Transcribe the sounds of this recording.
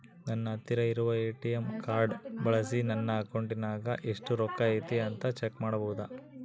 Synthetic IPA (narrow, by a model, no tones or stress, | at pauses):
nɐnːɐt̪ːiɾɐiɾuʋɐeːʈijemkaːɾɖbɐɭɐsinɐnːɐːkoɳʈinaːɡɐʔeʂʈuɾɔkːaɐjt̪iɐnt̪ɐt͡ʃekmaːɽɐbɐwud̪ɐ